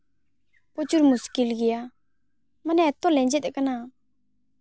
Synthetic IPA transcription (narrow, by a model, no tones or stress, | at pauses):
pot͡ɕuɾmuskilɡija | manɛt̪olɛɲd͡ʑet̪ekana